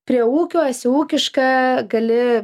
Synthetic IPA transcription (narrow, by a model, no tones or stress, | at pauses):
pʲɾʲiɛuːkʲoːsʲuːkʲɪʃkɑːɡɐlʲɪ